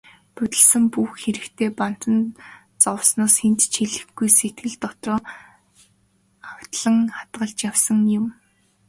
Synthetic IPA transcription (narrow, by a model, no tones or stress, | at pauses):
pɵt̪ʲɪ̆ɮsə̆mpuxxeɾɘ̆kt̪ʰeːpan̥t̪ə̆n | t͡sɔwsnɔːsxent̪t͡ɕʰiɮɘ̆xɡujset̪̚ɡɘ̆ɮt̪ɔt̪rɔː | awt̪ɮə̆ŋχat̪ɢə̆ɮt͡ɕjawsə̆ŋjʊm